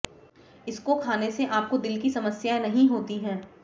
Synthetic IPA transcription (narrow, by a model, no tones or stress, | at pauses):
ɪskokʰaːneseʔaːp̚kod̪ɪlkisɐməsjaenɐɦĩɦoːt̪iɦɛː